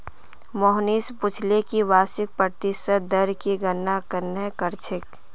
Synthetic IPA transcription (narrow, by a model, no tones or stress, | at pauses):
mɔɦniːspʊt͡ʃʰlekiʋaːsɪk̚pɾət̪ɪsət̪d̪əɾkiɡənːakəɾnekəɾt͡ʃʰɪk